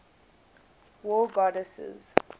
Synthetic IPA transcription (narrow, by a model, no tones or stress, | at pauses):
wɔɡɔdəsə̰z̥